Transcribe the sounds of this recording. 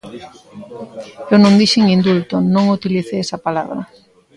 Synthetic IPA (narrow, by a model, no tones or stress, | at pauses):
ewnõŋd̪iʃiŋind̪ult̪onõŋut̪iliθeesɐpala̰βɾɐ̰